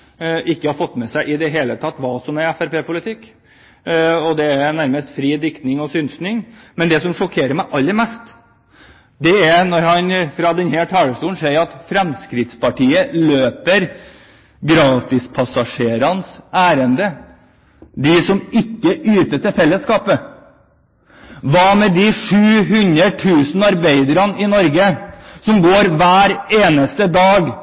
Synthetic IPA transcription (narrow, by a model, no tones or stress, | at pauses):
ʔɪkːəhɑɾfɔt̪ːmɛsæɪʔɪd̪ɛɦeːlət̪ʰɑt̪ːʋɑːsɔmɛɾɛfæɾpeːpʊlɪt̪ʰɪkː | ɔd̪ɛænæɾməst̪fɾiːd̪ɪkt̪nɪŋɔsʏnsnɪŋmɛnd̪ɛsɔmʂɔkʰeːɾəɾmæɪʔɑlːəɾmɛst̪ | d̪ɛæɾnɔɾhɑnfɾɑd̪ɛnheːʈʰɑːɭəst̪uːnseːjɑt̪fɾɛmskɾɪt̪spʰɑʈiːəløːpəɾ | ɡɾɑːt̪ɪspʰɑsɑʂeːɾɑnsæːɾənd̪ə | d̪ɪsɔmɪkːəʔyːt̪ət̪ɪfɛlːəskɑːpə | ʋɑmɛd̪ɪʂʉːɦʉnɾəʈʰʉːsn̩ɑɾbeɪd̪əɾɑnɪnɔɾɡəsɔmɡoːɾʋæːɾeːnəst̪əd̪ɑːɡ